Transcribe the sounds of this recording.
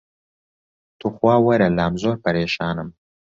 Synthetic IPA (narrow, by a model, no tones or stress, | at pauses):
t̪uxwɑːwɐɾɐlɑːmzoːɾpaɾeːʃɑːnəm